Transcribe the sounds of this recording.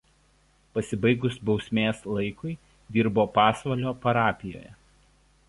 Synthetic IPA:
pɐsʲɪbɐɪɡʊsbɒʊsʲmʲeːslˠɐɪkʊɪ | d̪ʲiːɾboːpɑːsʋɐlʲoːpɐɾɑːpʲɪjo̰ːjɛ̰

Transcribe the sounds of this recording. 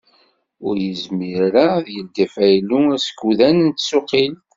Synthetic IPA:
ʊɾjəzmiɾɾaðjəld̪æfæjluæsə̥kːuðænənt̪ːsʊqːil

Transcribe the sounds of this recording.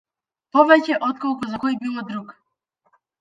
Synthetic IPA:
pɔvɛcɛʔɔt̪̚kɔlˠkuzakɔjbilˠɔd̪ɾuk

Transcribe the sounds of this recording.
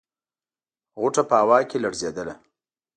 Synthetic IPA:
ɣʊʈapəawɑkelaɽzed̪əla

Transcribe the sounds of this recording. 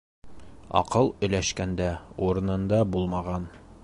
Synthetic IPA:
ɒ̰qɤlˠɵ̆læʃkænd̪æuɾɤ̆nɤ̆nd̪ɑbulˠmɑʁɑn

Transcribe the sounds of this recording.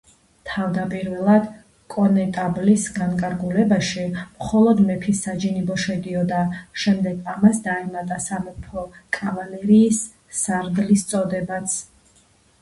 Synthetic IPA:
t̪ʰavd̪apʼiɾvɛlˠad̪ | kʼɔnɛt̪ʼablisɡaŋkʼaɾɡulɛbaʃimχɔlˠɔd̪mɛpʰisːad͡ʒinibɔʃɛd̪iɔd̪aʃɛmd̪ɛɡamasd̪aɛmat̪ʼasamɛpʰɔkʼavalɛɾiːsː | aɾd̪list̪sʼɔd̪ɛbat̪sʰ

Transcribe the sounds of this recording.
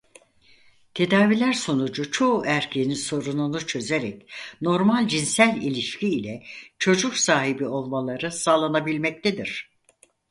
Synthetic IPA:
t̪ʰe̞d̪aːvilʲæɾso̞nud͡ʒut͡ʃʰo̞ʔæɾcʰeniso̞ɾununut͡ʃʰø̞zeɾɛcno̞ɾmalʲd͡ʒinsælʲilʲiʃcʰiːlʲɛt͡ʃʰo̞d͡ʒuksaːɦibio̞lˠmalˠaɾɯsaːlˠanabilʲmɛc̚t̪ʰed̪iɾ̥

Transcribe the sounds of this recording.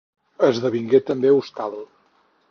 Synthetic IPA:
əzðəβiŋɡet̪əmbeust̪alˠ

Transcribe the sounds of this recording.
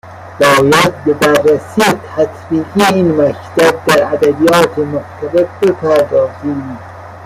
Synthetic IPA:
bɒːjæd̪̚bɪbærːæsiːet̪ʰæt̪ʰbiːɡiinmækt̪æb̚d̪æɾæd̪æbijɑːt̪ʰemʊkt̪ʰæbeɾbepʰɑːd̪ɒːziːm

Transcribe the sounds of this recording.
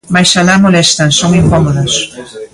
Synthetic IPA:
majsalamolɛst̪ansoŋiŋkɔmoðɐs

